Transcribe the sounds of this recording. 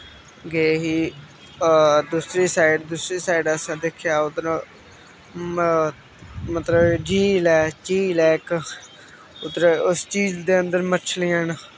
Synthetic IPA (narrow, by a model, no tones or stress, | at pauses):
ɡeɦiː | d̪usɾiːsaːɪɖd̪ʊsɾiːsaːɪɖəsãːd̪eːkʰjaːʊt̪ɾa | mət̪ləbd͡ʒiːlɛːt͡ʃiːlɛːk | ʊt̪ːɾeʊst͡ʃiːzd̪eːənd̪əɾmət͡ʃʰliːaːn